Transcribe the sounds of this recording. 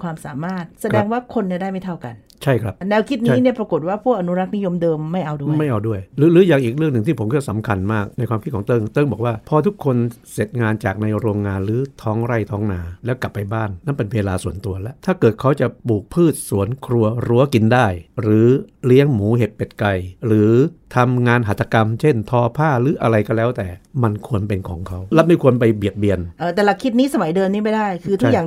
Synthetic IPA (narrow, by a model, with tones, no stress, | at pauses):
kʰwaː˧msaː˩˦maː˥˩t̪̚sa˧ɛː˦˧ŋwaː˥˩kʰo˧nːi˥˩da˥˩jma˥˩jt̪ʰa˥˩wka˧n | t͡ɕʰa˥˩jkʰɾa˦˥p̚nɛː˧wkʰi˦˥t̪̚n˥˩˦ni˥˩ɐpɾa˧ko˨˩t̪̚waː˥˩pʰu˥˩ək̚ʔa˧nu˦˥ɾa˦˥k̚ni˦˥jo˧mdɤː˧mːa˥˩jʔa˧wdu˥˩˨ma˥˩jʔa˧wdu˥˩əjɾɯː˨˦lɯː˨˦˥ja˨˩ŋʔiː˨˩k̚ɾɯ˥˩ŋnɯ˨˩ŋt̪ʰiː˥˩o˨˦mkʰɯ˥˩sa˩˦mkʰa˧nmaː˥˩k̚na˧jkʰwaː˧mʰi˦˥kʰːt̪ɤ˥˩ŋt̪ɤ˥˩ŋbɔː˨˩k̚waː˥˩pʰɔː˧t̪ʰu˦˥kʰːo˧nse˨˩t̪̚ŋaː˧nt͡ɕaː˨˩k̚na˧jɾoː˧ŋːaː˧nɾɯː˨˩˦t̪ʰɔː˦˥ŋɾa˥˩jt̪ʰɔː˦˥ŋnaː˧lɛː˦˥wka˨˩pːa˧jbaː˥˩nːa˥˩npe˧nweː˧laː˧su˨˩˦ənt̪u˧ɐlɛ˦˥ʔt̪ʰaː˥˩kɤː˨˩t̪̚kʰa˦˥wt͡ɕa˨˩ʔbuː˨˩k̚pʰɯː˥˩t̪̚su˨˩˦ənkʰɾu˧ɐɾu˧˩˦ɐki˧ndaː˥˩jɾɯː˩˦li˦˥əŋmuː˩˦ɦe˨˩t̪̚pe˨˩t̪̚ka˧jɾɯː˩˦t̪ʰa˧mŋaː˧nɦa˨˩t̪ʰːa˧ka˧mt͡ɕʰe˥˩nt̪ʰɔː˧pʰaː˥˩ɾɯː˩˦˥ʔa˧ɾa˧jkɔ˥˩lɛː˦˥wt̪ɛː˨˩ma˧nkʰu˧ənpe˧nkʰɔ̰ː˩˦ŋkʰa˦˥wla˦˥p̚ma˥˩jkʰu˧ənpa˧jbi˨˩ət̪̚bi˧ənʔɤː˧˩t̪ɛː˨˩la˧kʰi˦˥t̪̚niː˦˥sa˧ma˨˩˦jdɤː˧mniː˦˥ma˥˩jdaː˥˩jkʰɯ˧t̪ʰu˥˩kjaː˨˩ŋ